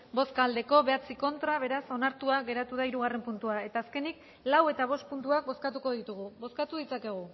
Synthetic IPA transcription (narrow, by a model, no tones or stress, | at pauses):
bo̞skald̪e̞ko̞βe̞at͡siko̞nt̪ɾaβ̞e̞ɾaso̞naɾt̪uaɣe̞ɾat̪uðaiɾuɣ̞are̞mpunt̪uae̞t̪aːske̞nik | lawe̞t̪aβ̞o̞st̪̚punt̪uak̚bo̞skat̪uko̞ðit̪uɣ̞uβo̞skat̪uðit͡sake̞ɣ̞u